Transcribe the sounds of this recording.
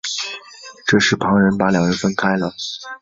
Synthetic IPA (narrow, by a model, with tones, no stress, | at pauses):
ʈ͡ʂɤ˥˧ʂɻ̩˥˩pʰɑ˧˥ŋɻə˧˥npa˧˥ljɑ˨˩ŋɻə˧˥nfə˥nkʰa˥ɪlə˨